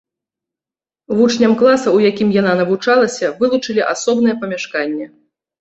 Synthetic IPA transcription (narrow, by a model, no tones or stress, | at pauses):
vut͡ʂnʲɐmklˠasɐwjakʲimjan̪anɐvut͡ʂalˠɐsʲɐvɨlˠut͡ʂɨlʲiʔasɔbnɨjɛpɐmʲaʂkanʲːɛ